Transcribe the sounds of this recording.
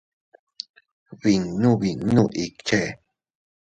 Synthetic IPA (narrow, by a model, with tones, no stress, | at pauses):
wi˨ŋnu˦wi˨ŋnu˦ʔi˨kt͡ʃe˦